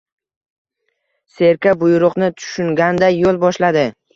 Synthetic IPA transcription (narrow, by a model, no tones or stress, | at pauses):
se̞ɾkʲabʊjɾʊqnɪt̪ʰʊ̥ʃʊŋɡʲand̪ajolˠbɒʃlad̪ɪ